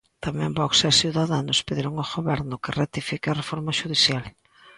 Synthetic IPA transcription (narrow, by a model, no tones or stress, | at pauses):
t̪amɛ̃mbɔksesjuðaðanʊspeðiɾoŋoɣoβɛɾnʊkɪrat̪ifikeɐrefoɾmɐʃuðiθjal